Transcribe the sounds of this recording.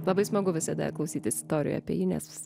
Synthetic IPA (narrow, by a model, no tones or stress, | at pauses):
lˠɐbɐɪsmoɡʊʋʲɪsɐd̪ɐ̰klˠɐʊsʲiːt̪ʲɪsɪ̥st̪oːɾʲɪjʊ̰ɐpʲiɛjiːnʲɛ̰sʋʲɪs